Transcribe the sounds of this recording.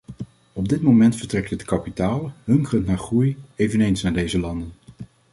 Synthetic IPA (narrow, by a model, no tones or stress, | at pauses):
ɔb̚dɪtmomɛntfəɹtrɛk̚tətkɑpitaːlˠɦɵŋkrəntnaːɹχrujejvənejnsnaːɹdejzəlɑndən